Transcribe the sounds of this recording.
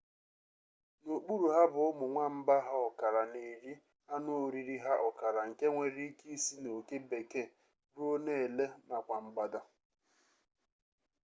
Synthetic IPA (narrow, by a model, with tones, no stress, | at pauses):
no˨k͡pu˦ɾu˨ɦa˦bʊ˨ʊ˦mʊ˨ŋʷa˦m̩˦ba˦ɦa˦ɔ˨ka˨ɾa˨ne˨ɾi˦ | a˦nʊ˦o˨ɾi˨ɾi˦ɦa˦ʔɔ˨ka˨ɾa˨ŋ̩˨ke˦ŋʷe˨ɾi˦ki˦si˦no˨ke˦be˨ke˦˨ | ɾu˦o˦ne˦e˨le˦na˨kʷa˨ŋ͡m̩˨ɡ͡ba˨da˦